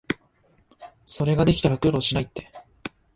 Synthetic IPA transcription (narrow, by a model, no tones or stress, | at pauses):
so̞ɾe̞ɡad̪e̞kʲi̥t̪aɾakɯɾoːɕinait̪ːe̞̥